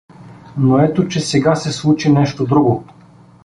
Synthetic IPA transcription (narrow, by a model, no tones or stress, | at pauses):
noɛt̪ot͡ʃɛsɛɡasɛslˠut͡ʃinɛʃt̪od̪ɾuɡo